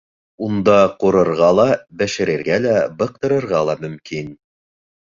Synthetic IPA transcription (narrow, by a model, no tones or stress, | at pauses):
und̪ɑquɾɤ̆ɾʁɑlˠɑbɘ̆ʃɘ̆ɾɘ̆ɾɡælæbɤ̆q̚t̪ɤ̆ɾɤ̆ɾʁɑlˠɑmɵ̆mkin